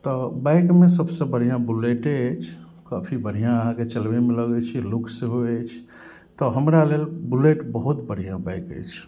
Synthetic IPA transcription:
t̪ɔbajkmesəbsẽbəɽ̤ijãbuleʈet͡ʃʰ | kapʰibəɽ̤ijãəɦãket͡ʃəlbemeləɡɛt͡ʃʰilukʰsẽɦoet͡ʃʰ | t̪ɔɦəmɾalelbuleʈbəɦut̪bəɽ̤ijãbajkə̰jt͡ʃʰ

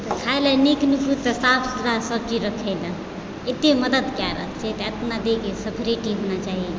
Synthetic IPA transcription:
t̪ɔkʰajlaneknikʰut̪ːəsapʰt̪ɾasət͡ʃiɾəkʰɛd̪a | et̪eməd̪əd̪kjaɾə̰kʰt͡ʃʰɛt̪əət̪nad̪ekesəbʱɾiʈiɦonat͡ʃaɦi

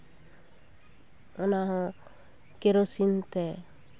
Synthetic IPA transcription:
ɔnaɦɔ̃ | keɾosint̪ɛ

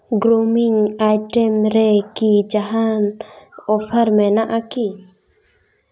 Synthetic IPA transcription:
ɡɾomiŋajʈɛmɾɛkid͡ʒaɦanɔfəɾmɛnaʔaki

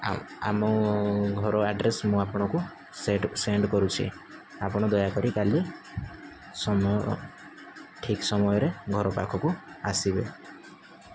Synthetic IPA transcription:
a̰mɔɡʱɔɾɔaɖɾesmũapɔɽ̃ɔku | seʈseɳɖkɔɾut͡ʃʰḭ | apɔɽ̃ɔd̪ɔjakɔɾikali | sɔmɔ | ʈʰiksɔmɔjɔɾeɡʱɔɾɔpa̰kʰɔkuasibe

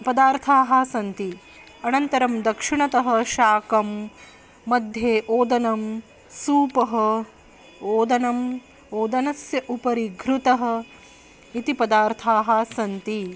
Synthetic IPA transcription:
pɐd̪aːɾt̪ʰaːɦasɐnt̪i | ɐnɐnt̪ɐɾɐmd̪ɐkʂiɳɐt̪ɐɦɐ̆ʃaːkɐmː | ɐd̪ʱjeːʔoːd̪ɐnɐm | suːpɐɦɐ | oːd̪ɐnɐm | oːd̪ɐnɐsjɐʔupɐɾiɡʱɾut̪ɐɦɐ̆ | it̪ipɐd̪aːɾt̪ʰaːɦaːsɐnt̪i

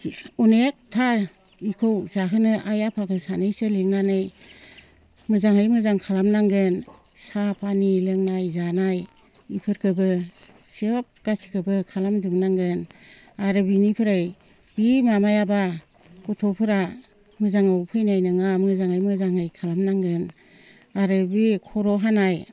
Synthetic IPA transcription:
unek̚tʰa | ikʰɯwzaɦɯnɯʔajapʰakɯsanɯjsɯleŋnanɯj | mɯzaŋɯjmɯzaŋkʰalamnaŋɡɯn | sapʰanilɯŋnajzanaj | ipʰɯɾkʰɯbɯ | sip̚ɡ̥asi̥kʰɯbɯkʰalamdɯmnaŋɡɯn | aɾɯbinipʰɯɾaj | bimamajaba | kutʰɔpʰɯɾa | mɯzaŋawpʰɯjnajnɯŋamɯzaŋajmɯzaŋɯjkʰalamnaŋɡɯn | aɾɯbikʰɔɾɔɦanaj

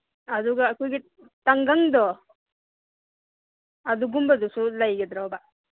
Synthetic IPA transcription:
aduɡaːkʰɔjɡi | taŋɡaŋd̪ɔ | aduɡumbadusulajɡɛdɾawba

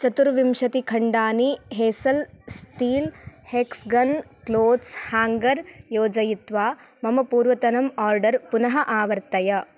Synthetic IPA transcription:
t͡ʃɐt̪uɾʋimʃɐt̪ikʰɐɳɖaːniɦeːsɐlsʈiːlheːksɡɐnkloːd̪shaːŋɡɐɾjoːd͡ʒɐjit̪ʋaː | mɐmɐpuːɾʋɐt̪ɐnɐmaːɾɖɐɾpunɐɦɐʔaːʋɐɾt̪ɐjɐ

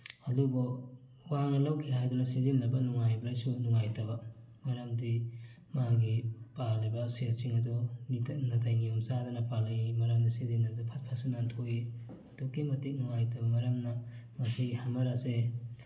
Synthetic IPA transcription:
adubɔ | waŋnɐlawkʰiɦajdunɐsizinːɐbɐnuŋajbɾajsunuŋajtɐbɐ | mɐɾamdi | maɡipalabɐset͡ʃiŋɐdunnatʰajnijomsadɐnɐpalaimɐɾamdisizinːɐbdupʰɐt̚pʰasinantʰoji | ɐtokːimɐtik̚nuŋajtʰɐbɐmɐɾɐmnɐmɐsihamɐɾase

